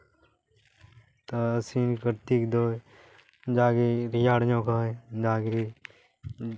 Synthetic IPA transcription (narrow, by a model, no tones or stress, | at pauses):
t̪aəsĩːnkəɾt̪iːkd̪oː | d͡ʒaːɡeːɾɪjaːɽjõːkaːed͡ʒaːɡe